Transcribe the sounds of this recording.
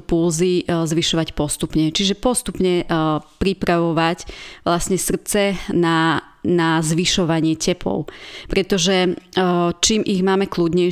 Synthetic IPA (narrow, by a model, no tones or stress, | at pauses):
pulzizʋiʃɔʋacpɔst̪upɲɛt͡ʃiʒɛpɔst̪upɲɛpɾipɾaʋɔʋacʋlasɲɛsr̩t͡sɛna | nazʋiʃɔʋaɲɪɛcɛpʰɔ̰ʊpɾɛt̪ɔʒɛ | t͡ʃiːmʔiɣmaːmɛkludɲɛ